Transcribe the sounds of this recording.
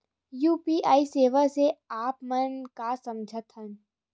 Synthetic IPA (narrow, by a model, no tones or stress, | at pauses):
juːpiːʔaːiseːʋaseaːpmənkasɐ̃md͡ʒʱət̪ɦən